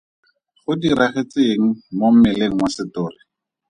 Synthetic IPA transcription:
χʊdiɾaχet͡seŋ̩mom̩mɪleŋ̩wasɪtʊːrɪ

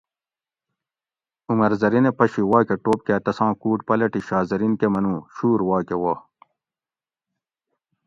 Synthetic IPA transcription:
umɐɾzɐɾinepɐɕiwaːkeʈoːp̚keːt̪ɐsãːkuːʈpɐlɐʈiɕaːzɐɾinkemɐnũːɕuːɾwaːkewaː

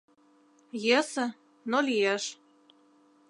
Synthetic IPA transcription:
jĕsə̆ | nolijeʃ

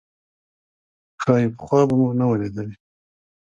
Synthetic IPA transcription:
xɑjipə̥xwɑbamunawaled̪əli

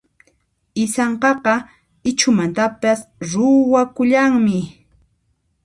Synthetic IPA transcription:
ɪsɑɴqɑqɑ | ɪt͡ʃʊmant̪apasɾʊwakʊʎaŋmɪ

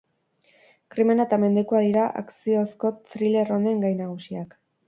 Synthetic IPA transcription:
kɾime̞naet̪ame̞nd̪e̞kuaðiɾaʔa̰ksio̞sko̞t̪ɾile̞rone̞ŋɡajnaɣ̞usiak

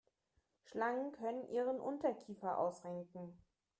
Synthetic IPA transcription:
ʃlaŋənkʰœnənʔiːʁənʔʊntɐkʰiːfɐʔa̰ʊsʁɛŋkŋ̩

